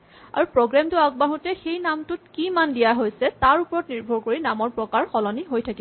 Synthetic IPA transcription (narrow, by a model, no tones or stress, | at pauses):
aɹupɹoɡɹamtʊaɡ̚baɦutɛxejnamtʊt̚kimandijaɦojsɛtaɹupɔɹɔtniɹbʱɔɹkoɹinamɔɹpɹɔkaɹxɔlɔniɦojtʰakibɔ